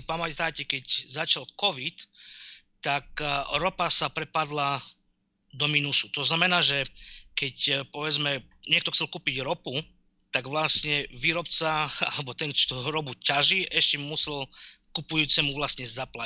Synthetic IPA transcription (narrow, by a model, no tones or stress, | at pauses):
ipamat̪aːcɛkɛczat͡ʃalkɔʋit̪ː | akɾɔpasapɾɛpad̪la | d̪ɔminusu̥t̪ɔznamɛnaːʒɛkɛcpɔʋɛd͡zmɛ | ɲɪɛk̚t̪ɔxt͡sɛlkuːpiɟɾɔpu | t̪aɡʋlasɲɛʋiːɾɔpt͡saa̰lɛbɔt̪ɛnt͡ʃt̪uɾɔbucaʒiʔɛʃcɛmusɛlkupujuːt͡sɛmuʋlast̪ɲɛzapla